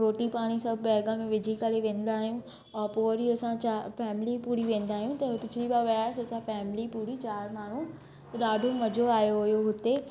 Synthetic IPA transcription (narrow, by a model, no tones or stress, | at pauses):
ɾoːʈipaːɽ̃isɐbʱbɛːɡə̃mẽʋɪd͡ʑʱikɐɾeʋẽːn̆d̪aːɦijũ | ɔːɾpoɾiɐsãt͡ɕafɛːmɪlipuːɾiʋẽːnd̪aːɦijũt̪ɐpɪt͡ʃʰɪliɓaʋɐjaːsɐsãfɛːmɪlipuːɾit͡ɕaːɾmaːɳ̤ũ | t̪ɐɗaːɖʱõmɐd͡ʑʱoaːjoɦʊjoɦʊt̪e